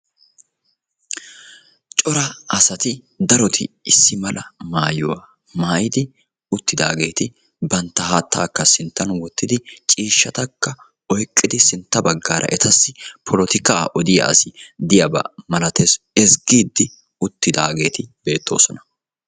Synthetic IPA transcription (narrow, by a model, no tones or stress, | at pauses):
t͡ʃʼɔɾɐɐsɐt̪ɪ | d̪ɐɾɔt̪ʰɪ̰ɪsːɪmɐlʔɐmaːjɔwa | maːjɪd̪ɪ | ʊt̪ːɪd̪a̰ːɡe̞ːt̪ɪ | bɐnt̪ːɐhaːt̪ːaːkːɐsɪnt̪ːɐnwɔt̪ːɪd̪ɪt͡ʃʼiːʃːɐt̪ɐkːɐ | ɔjkʼːɪd̪ɪsɪnt̪ːɐbɐɡːaːɾʔɐ̰ʔɛt̪ɐsːɪpʰɔlɔt̪ɪkaːʔɔd̪ɪja̰sɪd̪ɪjɐbɐ̰mɐlɐt̪ɛs | ɛsɡiːd̪ːɪ | ʊt̪ːɪd̪aːɡe̞ːt̪ɪb̥e̞ːt̪ːo̞ːsɔnɐ̥